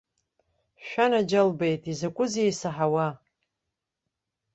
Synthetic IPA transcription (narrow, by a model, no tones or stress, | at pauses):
ʃʷᶣanad͡ʒalbejtʼizakʷʼʊzejsaħawa